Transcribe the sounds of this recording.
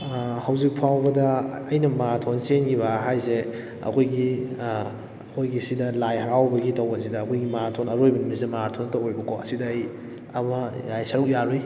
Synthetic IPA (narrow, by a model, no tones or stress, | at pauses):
hɐwzik̚pʰawbɐdɐɐjnɐmɐɾatʰonsenɡiβaɦajze | ɐ̰kʰojɡi | ɐkʰojɡisidɐlajhɐɾawbɐɡitɐwɐsidɐːkʰojɡimaɾatʰonɐɾojbɐnimɐsidɐmɐɾatʰontɐwojbɐkʰoɐsidɐj | ɐmɐjajsɐɾuk̚jaɾi